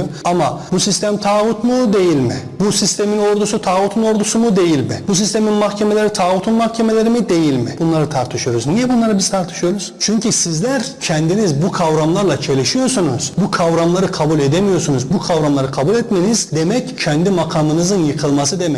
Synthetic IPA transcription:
oamabusist̪ʰæmt̪ʰaːvut̪mud̪e̞jilʲmɪ̰busist̪ʰemino̞ɾd̪usut̪ʰaːvut̪ʰuno̞ɾd̪usumud̪e̞jilʲmɪ̰bus̬ist̪ʰe̞minmaxcʰe̞me̞lʲe̞ɾit̪ʰaːvut̪ʰunmaxcʰe̞melʲe̞ɾimid̪e̞jilʲmɪbunlˠaɾɯt̪ʰaɾt̪ʰɯ̥ʃɯjo̞ɾuznijɛbunlˠaɾɯbiz̥t̪ʰaɾt̪ʰɯ̥ʃɯjo̞ɾuz̥t͡ʃʰyɲcʰisizlʲæɾcʰɛnd̪inizbukʰavɾamlˠaɾlˠat͡ʃʰe̞lʲiʃijo̞sunuz̥bukʰavɾamlˠaɾɯkʰabulʲe̞d̪emijo̞ɾsunuzbukʰavɾamlˠaɾɯkʰabulʲɛt̪me̞nizd̪e̞mɛccʰɛnd̪imakʰamɯnɯzɯnjɯkʰɯlˠmasɯd̪emɛ

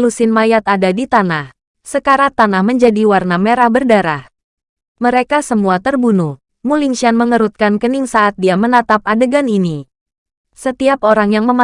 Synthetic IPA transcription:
lusɪnmajat̪adadit̪anah | səkaɾat̪anahməɲd͡ʒadiwarnameɾahbərdaɾah | məɾekasəmuat̪ərbunuh | muliŋʃianməŋəɾut̪̚kankəniŋsaʔat̪̚diamənat̪apadəɡanini | sət̪iapoɾaŋjaŋməma

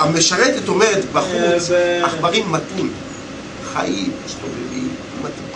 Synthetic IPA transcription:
ameʃaʁet̪eto̞meʁet̪baχut͡saχbaʁimːatim | χa̰ʔimist̪ovevḭmːat̪i

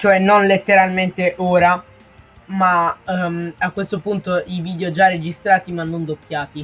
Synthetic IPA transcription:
t͡ʃoɛnːonlet̪ːeɾalment̪eʔoːɾa | ma | akːwest̪opunt̪oiviːd̪eod͡ʒarːed͡ʒist̪ɾaːt̪imanːond̪opːjaːt̪i

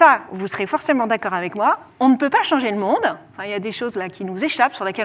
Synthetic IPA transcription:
savusəʁefɔʁsemɑ̃d̪akɔʁavɛkmwa | ɔ̃nəpøpaʃɑ̃ʒeləmɔ̃d̪ɑ̃fɛ̃iljad̪eʃozlakʲinuzeʃapsyʁlekʲɛ

